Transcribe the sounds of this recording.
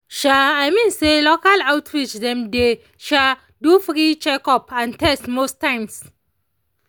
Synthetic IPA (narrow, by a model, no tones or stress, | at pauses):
ʃaajmĩnselokalawtʰɹit͡ʃdɛ̃mde | ʃa | dufɾit͡ʃɛkɔpãntɛstmostãɪ̃ms